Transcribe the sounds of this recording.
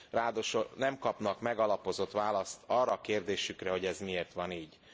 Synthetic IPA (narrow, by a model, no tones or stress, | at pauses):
raːd̪oʃonɛmkɒpnɒkmɛɡɒlɒpo̞zo̞t̪ʋaːlɒst̪ʰɒrːɒːkeːrd̪eːʃykrɛɦo̞ɟɛzmieːrt̪ʋɒniːɟ